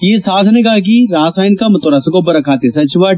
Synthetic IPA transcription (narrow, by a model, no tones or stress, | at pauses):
jesaːd̪ʰʱneɡaːk̬iɾaːsaːjɪnkamɐt̪oɾɐsɐɡobɐɾɐkʰaːt̪esɐt͡ʃɪʋaː